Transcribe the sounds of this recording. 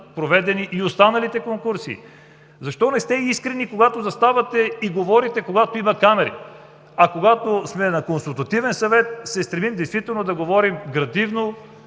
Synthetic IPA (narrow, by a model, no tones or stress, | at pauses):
pɾovɛd̪ɛniʔːost̪anɐlit̪ɛkoŋkuɾsḭ | zɐʃt̪ɔnɛst̪ɛiskɾɛnikoɡat̪ozɐst̪avɐt̪ɛiɡovɔɾit̪ɛkoɡat̪oimɐkamɛɾḭ | ɐkoɡat̪osmɛnɐkonsulˠt̪ɐt̪ivɛnsɐvɛt̪̚sɛst̪ɾɛmimd̪ɛjst̪vit̪ɛlˠnod̪ɐɡovɔɾimɡɾɐd̪ivno